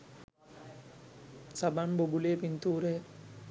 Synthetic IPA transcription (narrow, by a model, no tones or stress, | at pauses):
sabanbobulejːpint̪uːɾej